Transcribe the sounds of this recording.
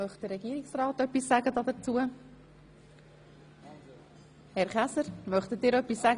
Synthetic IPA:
œχt̚d̥̪əɾɛɡ̥iəɾiksrɑːtœpːisːaɡədɑd̪ət͡suə | hɛɾχæsəɾmœχt̪ət̚dɪːɾœpːisːaɡ

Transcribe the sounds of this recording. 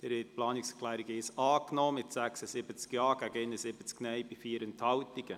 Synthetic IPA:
d̥ɛɾhɛt̚plɑːnɪkskʰlæːɾiɡɪsɑːknoːmɪtsæksəsɪbət͡skjɑːɡ̥æɡɪnəsɪb̥ət͡sknɛjbifiːəɾɛnthɑwtiɡ̥ə

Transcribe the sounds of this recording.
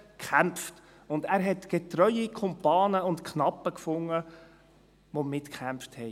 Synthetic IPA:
kχæmpft | ʊndæːɾɦɛtɡ̥etɾœʏikʰɔmpɑːnəʊntkχnɑpːəkfʊŋːə | ʋomɪtkχæmfthɛɪ

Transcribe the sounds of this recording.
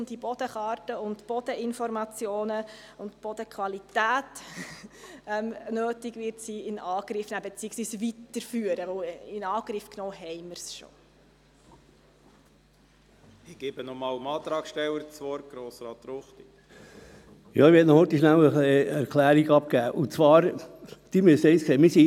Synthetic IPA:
d̥ibɔd̥̪əχɑːrtəʊntb̥ɔd̥̪əɪnfɔɾmɑt͡sjoːnə | ʊntb̥ɔd̥̪əkʰʋɑlit̪æːt | ɛmnøːtɪɡʋɪɾtsiɪnɑːɡ̥ɾɪfnæbɛt͡siːəksʋiːsʋit̪əɾfyːəɾəʋəwɪnɑːɡ̥ɾɪfknoːhɛɪməɾsʃo̰ | ɪɡ̥ebənɔmɑːləmɑːt̪ɾɑːkʃtɛwəɾt͡sʋɔɾ̚ɡ̥ɾoːsɾɑːt̪ɾoχt̪i | jɑːɪhɛtnɔhøt̪iʃnæwəχliæɾkʰlæːɾiɡɑp̚kæːʔʊt͡sʋɑːɾd̪̥iːmysɛɪsksemɪsi

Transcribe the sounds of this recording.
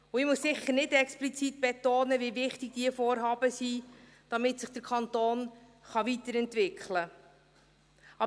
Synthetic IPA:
ʊɪmuəssɪχəɾnɪdɛksplit͡sit̚b̥ɛtoːnəvivɪχtɪɡ̚d̥iəfoːrɦɑːbəsi | d̥ɑmɪtsɪχd̥əɾkʰɑnt̪oːn | χɑʋit̪əɾɛntʋɪkχlə | ɑ

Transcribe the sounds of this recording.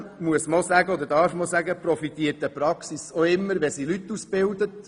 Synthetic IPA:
muəsmɑlsæɡəɔd̪ədɑːɾfmɑlsæɡəprɔfit̪iət̚ːɛpɾɑksisoɪmːəɾʋɛsilyt̪ːusb̥ɪld̪ət

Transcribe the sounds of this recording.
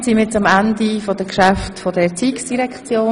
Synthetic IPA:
siməet͡sɑmændifod̥əkʃæftfod̥ɛɾt͡siːksd̥iɾɛkʰt͡sjoː

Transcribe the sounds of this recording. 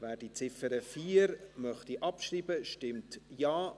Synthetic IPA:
væːd̥it͡sɪfəɾəfiːɾmœχtiʔɑpʃriːbəʃtɪmtjaː

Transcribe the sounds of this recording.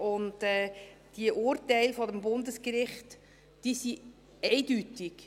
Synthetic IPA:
ʊntɛd̥iəʔʊɾtɛɪlfɔdəmbʊndəskɾɪχt | d̥isi | ɛɪdytɪk

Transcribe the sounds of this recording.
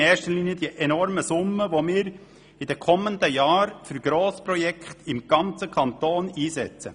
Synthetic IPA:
ɛːʃtəliniəd̥̪iəʔɛnɔɾməsʊmːəʋomɪːɾ | ɪd̥ɛkʰɔmənd̪əjɑːɾfyɾɡ̥ɾoːspɾɔjɛkʰχt̪ɪmɡ̥ɑnt͡səkʰɑnt̪oːniːzɛ̰t͡sə̰

